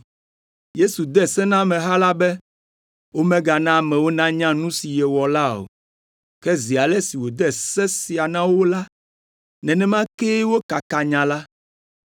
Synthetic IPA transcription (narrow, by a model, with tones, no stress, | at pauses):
je˦su˨d̪ɛ˦sɛ˦nã˦mɛ̃˨ɦa˦la˦bɛ˦ | wo˦mɛ̃˦ɡa˨nã˦˨mɛ̃˨wo˦nã˦ɲã˦nũ˦si˨jɛ˨wɔ˨la˦o̰˨ | kɛ˦zi˨a˨lɛ˦si˨wo˨d̪ɛ˦sɛ˦si˨a˨nã˦wo˦la˦ | nɛ̃˨nɛ̃˦mã˦ke˦wo˦ka˨ka˨ɲã˨la˦